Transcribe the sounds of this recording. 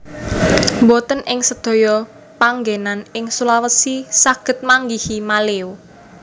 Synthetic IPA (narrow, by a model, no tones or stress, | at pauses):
mbɔt̪ənʔɪŋsəd̪̥o̤jɔ | paŋɡenanɪŋsulawəsisaɡ̥ə̤t̪̚maŋɡihimaleu